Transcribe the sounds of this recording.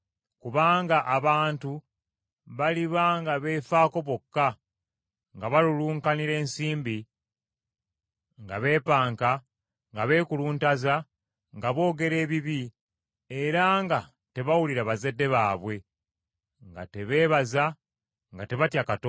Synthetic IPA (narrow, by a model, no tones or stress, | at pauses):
kuβaːŋɡaʔːβaːntu | βaliβaŋɡaβe̞ːfaːko̞βo̞kːa | ŋɡaβaluluːŋkaniɾe̞ːnsiːmbi | ŋɡaβe̞ːpaːŋka | ŋɡaβe̞ːkuluːntaza | ŋɡaβo̞ːɡe̞ɾe̞ːβiβi | e̞ɾaŋɡa | te̞βawuliɾaβaze̞dːe̞βaːβwe̞ | ŋɡa̰te̞βe̞ːβaza | ŋɡate̞βatjakato